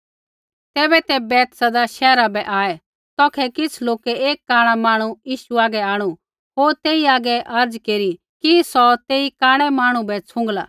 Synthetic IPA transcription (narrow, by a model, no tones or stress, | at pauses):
t̪ɛːbɛt̪ɛbɛːt̪sɐd̪aʃɛːɾabɛʔaːɛ | t̪ɔːkʰɛkɪt͡sʰloːkɛeːkːaːɽ̃amaːɽ̃ujiːʃuaːɡɛaːɽ̃u | ɦoːɾt̪eːiaːɡɛʔɐɾd͡zkeːɾi | kisɔt̪eːikaːɽ̃ɛmaːɽ̃ũbɛt͡sʰʊ̃ŋɡlaː